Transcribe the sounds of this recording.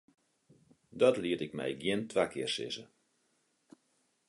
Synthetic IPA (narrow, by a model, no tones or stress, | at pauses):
dɔtliətɪkmɛ̰jɡjɪntʋakʰɪərsɪ̰zə̰